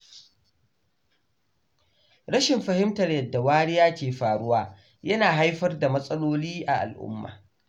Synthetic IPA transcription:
ɾɐ˦ʃɪ˨mɸɐ˨hɪ˦mtɐ˨rjɐ˨dːa˨waː˦ɽɪ˦jaː˦kʲeː˨ɸaː˨ɽʊ˦waː˨ | jɐ˦naː˨ɦa˦jɸɐ˦rda˨mɐ˦sʼɐ˦loː˦liː˦ʔa˨ʔa̰˨lʔʊ̰˦mːa̰ː˨

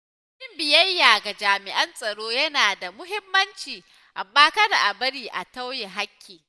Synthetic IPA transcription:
t͡ʃɪ˦mbɪ˨jɐ˦jːaː˨ɡa˨d͡ʒaː˨mɪ˨ʔɐ˦nsʼɐ˨ɽoː˦jɐ˦naː˨da˨mʊ˦ɦɪ˦mːɐ˦nt͡ʃiː˨ | ʔa̰˨mbaː˦kɐ˦da˨ʔa˨bɐ˦ɽiː˦ʔa̰˨ta˦wje˨ɦa˦kʲːiː˨

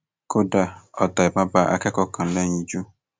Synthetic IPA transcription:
ko˦da˨ɔ˨ta˨ɪ˨pa˦ba˦ʔa̰˦kɛ˦kɔ˦kʰã˨lɛ̃˦ɲĩ˨d͡ʒu˦

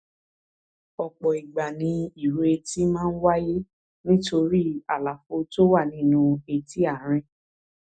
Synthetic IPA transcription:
ɔ˨k͡pɔ˨i˨ɡ͡ba˨nĩ˧i˨ɾe˨˧ti˦mãː˦n̩˦wa˦je˦ | nĩ˦to˧ɾi˦a˨la˨fo˨˧to˦wa˦˨nĩ˦nũ˧e˨ti˦a˦˨ɾ̃ĩ˧

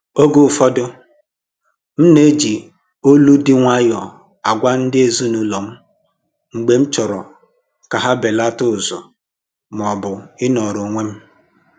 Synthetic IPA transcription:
o˦ɡʊ˦fɔ˦dʊ˦ | m̩˦ne˦d͡ʒi˨ | o˦lu˦dɪ˦ŋʷa˦jɔ˨ | a˨ɡʷa˦n̩˦dɪ˦e˨zu˦nu˨lo˨m̩˦ | ŋ͡m̩˨ɡ͡be˦m̩˦t͡ʃɔ˨ɾɔ̰˨ | ka˨ɦa˦be˨la˦tʊ˦˨zɔ̰˨ | m˨ɔ˨bʊ˨ɪ˦nɔ˨ɾo˨ŋʷe˦m̩˦

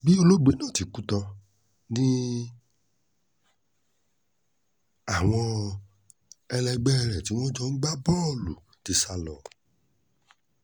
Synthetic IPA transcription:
bi˦o˧lo˦ɡ͡be˨˦nãː˦˨ti˨ku˦tɔ˧ | nĩ˦ | a˦˨w̃ɔ̃˧ | ɛ˧lɛ˧ɡ͡bɛ˦˧ɾɛ˨ti˨˦w̃ɔ̃˦d͡ʒɔ˦n̩˦ɡ͡ba˦bɔː˦˨lṵ˨ | ti˨˧sa˧lɔ˨

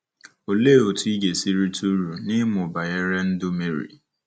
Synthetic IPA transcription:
o˨le˦˨o˨tʰʊ˦i˦ɡe˨si˦ɾi˦tʰu˦ɾu˨nɪ˦mʊ˨ba˨e˦ɾɛ˦n̩˦dʊ˦me˨ɾḭ˨

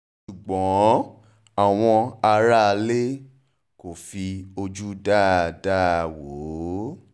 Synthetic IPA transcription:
ʃu˨ɡ͡bɔ̃˨˦ | a˨w̃ɔ̃˧a˧ɾa˦˧le˦ | ko˨fi˧o˧d͡ʒu˦da˦˨da˦˨wo˨˦

